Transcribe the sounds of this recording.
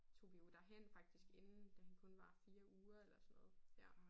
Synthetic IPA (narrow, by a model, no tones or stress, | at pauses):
t͡sʰo̝̰b̥iud̥æɦen̰fɑ̈ɡ̥̚d̥isɡ̥e̝nn̩d̥æhænkʰɔ̽nʋɑ̈fiːɐuːɐelɐsɔnɔ̽ːð̩ˠj